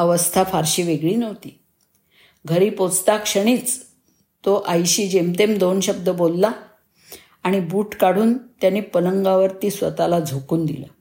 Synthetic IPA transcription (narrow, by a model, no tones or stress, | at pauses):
əʋəst̪ʰafaɾɕiːʋeɡɭiːnəʋt̪iː | ɡʱəɾiːpot͡st̪akʂəɽ̃iːt͡s | t̪oʔajɕiːd͡ʑemt̪emd̪onɕəb̚d̪əbolːaː | ɽ̃ibuːʈkaɽ̤uːnt̪janiːpələŋɡaʋəɾt̪iːsʋə̰t̪alad͡zʱokuːnd̪ḭlə̰